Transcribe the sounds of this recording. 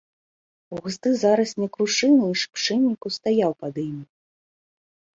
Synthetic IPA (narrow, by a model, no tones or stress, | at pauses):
uɣzd̪ɨzaɾɐsnʲɛkɾuʂɨnɨiʂpʂɨnʲːikust̪ajawpɐd̪imʲi